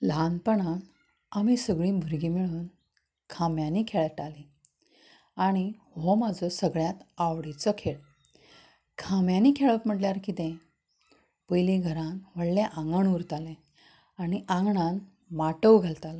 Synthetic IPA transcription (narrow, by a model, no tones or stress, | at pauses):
lanpəɳan | amisəɡɭĩbʱəɾɡimiɭuːn | kʰamjãnikʰeɭəʈali | aɽ̃i | ɦɔmad͡zʱəsəɡɭjãt̪aʋɽit͡səkʰeɭ | kʰamjãnikʰeɭəpm̤əʈljaɾkit̪ẽ | pəjliɡʱəɾãnʋəɽljãʔãŋɡəɳʋuɾt̪alẽ | aɽiʔãŋɡɳãn | maʈəwɡʱalt̪ala